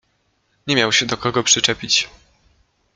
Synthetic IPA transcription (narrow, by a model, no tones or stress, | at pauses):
ɲɛmʲjawɕɛd̪ɔkɔɡɔpʂɘt͡ʂɛpʲit͡ɕ